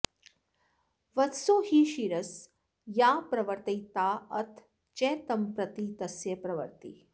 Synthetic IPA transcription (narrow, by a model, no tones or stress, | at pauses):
ʋɐt̪soːhiʃiɾɐs | jaːpɾɐʋɐɾt̪ɐjt̪aːɐt̪ʰ | t͡ʃeːt̪ɐmpɾɐt̪it̪ɐsjɐpɾɐʋɐ̰ɾt̪ḭ